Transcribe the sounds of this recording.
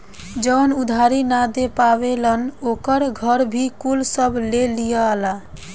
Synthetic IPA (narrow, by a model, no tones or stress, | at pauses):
d͡ʒənud̪ʱaɾinad̪epaβelənokəɾɡʱəɾbʱikulsəbʱlelijəla